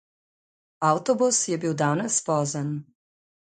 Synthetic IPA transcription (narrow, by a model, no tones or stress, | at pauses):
awt̪ɔbusjɛbiːwd̪aːnɛspɔːzən